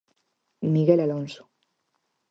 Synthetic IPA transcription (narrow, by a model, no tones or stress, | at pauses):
miɣelalonso̥